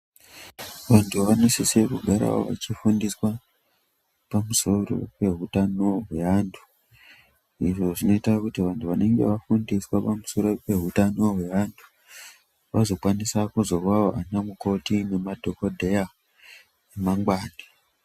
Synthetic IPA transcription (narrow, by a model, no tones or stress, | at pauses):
ʋantʰuʋanisise̞kuɡʱaɾa̰o̰ʋa̰t͡ʃifundiswa | pamuso̞ro̞̰pe̞ɦutanoɦwe̞ʋaːntʰu̥ | iʐo̞ʐino̞itakutiʋantʰuʋane̞ŋɡe̞̰ʋafundiswapamuso̞ɾo̞pe̞ɦutanoɦwe̞ʋantʰu̥ | ʋazo̞kwanisakuzo̞ʋaoʔanamuko̞tine̞madʱo̞kodʱeja | emaŋɡwaːna